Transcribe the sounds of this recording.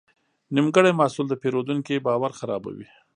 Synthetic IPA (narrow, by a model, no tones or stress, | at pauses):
nimɡəɽajmɑsuld̪əpeɾod̪uŋkibɑwaɾxaɾɑ̰ba̰wḭ